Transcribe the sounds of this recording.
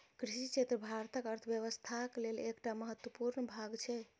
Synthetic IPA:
kɾiʃit͡ʃʰet̪ɾəbʱaɾt̪əkəɾt̪ʰbjəʋəst̪ʰaklelekʈaməɦət̪wəpuɾnbʱaɡt͡ʃʰɛ

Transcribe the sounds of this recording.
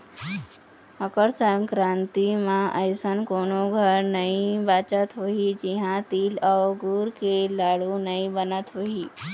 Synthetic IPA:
əkəɾsəŋkɾãnt̪imãʔəjsənkoːnoɡʱəɾnəɦĩbat͡ʃət̪ɦoɦid͡ʒiɦãt̪iːlaɡuɾkelaːɽunəɦĩbənət̪ɦoɦi

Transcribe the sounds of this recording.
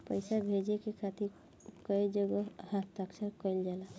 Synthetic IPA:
pəɪsabʱed͡ʒekekʰat̪iɾ | kəid͡ʒəɡohat̪əksəɾkəɪld͡ʒala

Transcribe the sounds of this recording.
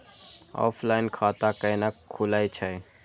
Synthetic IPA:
ɔ̰ːpʰlaːɪnkʰaːt̪akənakʰːulaːit͡ʃʰaj

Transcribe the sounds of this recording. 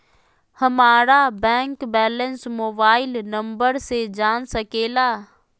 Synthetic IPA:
hɐmaːɾabɛ̃ːŋkbɛːlənsmoːbaːɪlnɐ̃mbəɾsed͡ʒaːnsɐkeːlaː

